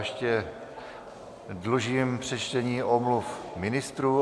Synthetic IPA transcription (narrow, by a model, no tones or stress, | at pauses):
ɛʃcɛ | dluʒiːmpr̝̥ɛt͡ʃt̪ɛɲiːʔomlufmɪnɪst̪ɾuː